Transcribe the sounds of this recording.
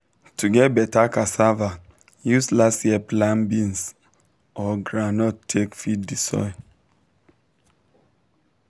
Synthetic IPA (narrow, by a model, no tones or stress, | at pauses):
tuɡɛt̚bɛtakasava | juslasjɛplãmbĩns | ɔɡɹanɔtʰekfitdisɔ̰ɪ